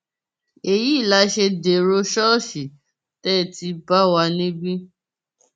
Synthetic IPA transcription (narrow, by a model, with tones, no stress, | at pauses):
e˨ji˦˨la˨˦ʃe˧de˨ɾo˧˦ʃɔ˦˨ʃi˨ | tɛ˦˨ti˧ba˦wa˧nĩ˦bĩ˦